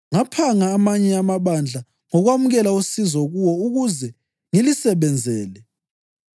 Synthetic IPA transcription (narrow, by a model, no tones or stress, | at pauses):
ŋapʰaŋaːmaɲɛamaβand͡ɮʱa | ŋɔɣwamuɣɛlaosizɔɣuwɔuɣuzɛ | ŋilisɛβɛnd͡zʱɛːlɛ